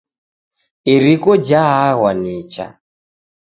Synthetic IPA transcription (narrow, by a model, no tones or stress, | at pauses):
iɾikɔd͡ʒaɦaɣwanit͡ʃa̰